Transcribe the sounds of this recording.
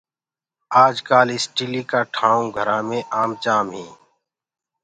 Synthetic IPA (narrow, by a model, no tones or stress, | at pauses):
aːd͡ʒkaːlɪsʈilikaːʈʰãːũɡʱəɾãːmẽʔaːmt͡ʃaːmɦĩː